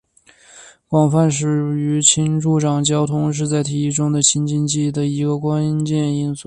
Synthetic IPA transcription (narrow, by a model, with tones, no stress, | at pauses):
kwɑ˨˩ŋfa˥˩nʂ̬ɻ̩˨˩y˧˥t͡ɕʰi˥nʈ͡ʂu˥˩ʈ͡ʂɑ˨˩ŋt͡ɕjɑ˥ʊt̪ʰʊ˥ŋʂ̬ɻ̩˥˧t͡sa˥˩ɪt̪ʰi˧˥i˥˩ʈ͡ʂʊ˥ŋd̪ə˨t͡ɕʰi˥nt͡ɕi˥˧nt͡ɕi˥˩d̪ə˨i˧˥ɡə˧kwa˥nt͡ɕjɛ˥˩ni˥nsu˥